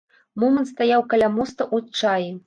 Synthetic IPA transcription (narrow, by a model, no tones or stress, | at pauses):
mɔmənt̪st̪ajawkɐlʲamɔst̪ɐʔut͡ʂaji